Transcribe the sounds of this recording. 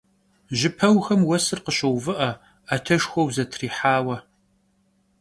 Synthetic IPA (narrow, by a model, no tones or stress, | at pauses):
ʒɪpʰɐwxɐmwɐsɨrqəɕɐwvɨʔɐ | aːtʰɐʃxʷɔwzɐtʰriːħaːwɐ